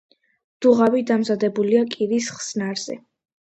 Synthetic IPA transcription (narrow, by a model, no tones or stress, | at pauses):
d̪̥uʁavid̪amzad̪ɛbuliakʼiɾisχsnaɾz̥ɛ̰